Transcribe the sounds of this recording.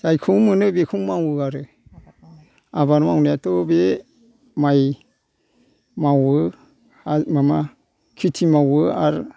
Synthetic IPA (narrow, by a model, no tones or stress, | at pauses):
zajkʰuŋmɯnɯbekʰuŋmawɯaɾɯ | abaɾmawnajatɔbe | maj | mawɯ | amama | kʰitʰimawɯaɾ